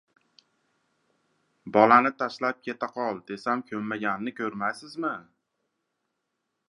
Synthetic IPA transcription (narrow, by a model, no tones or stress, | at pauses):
bɒlanɪt̪ʰaʃlap̚kʲʰe̞t̪aqʰɒlˠd̪e̞samkʲʰɵmmːaɡʲanːɪkʲʰɵɾmajsɪzmɪ